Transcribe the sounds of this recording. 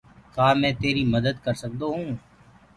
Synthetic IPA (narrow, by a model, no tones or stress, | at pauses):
kaːmɛ̃ːt̪eːɾimɐd̪əd̪kɐɾsək̚d̪oɦũː